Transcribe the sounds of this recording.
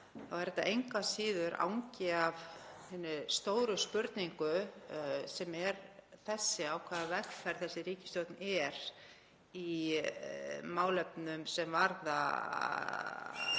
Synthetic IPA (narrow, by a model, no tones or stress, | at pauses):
θawɛɾɛt̪a̰ʔejŋkasiːðʏɾʔa̰wɲcɪavhɛnːʏst̪oːwɾʏspʏɾt̪niŋkʏ | sɛmɛɾθɛsːɪawkʰvaːðavɛxfɛɾ̥θɛsːɪɾiːcɪst̪jowt̪nɛɾ̥ | i | maːwlɛpnʏmsɛmvaɾða̰